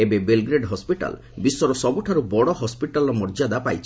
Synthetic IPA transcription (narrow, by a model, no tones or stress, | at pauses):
ebebelɡɾeɖɦɔspiʈa̰l | bisɔɾɔsɔbuʈʰaɾubɔɽɔɦɔspiʈalɔmɔɾd͡ʒad̪apajt͡ʃʰ